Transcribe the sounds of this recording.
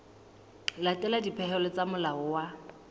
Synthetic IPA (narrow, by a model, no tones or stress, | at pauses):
latʼɛladipʰɛɦɛlɔt͡samʊlaʊwa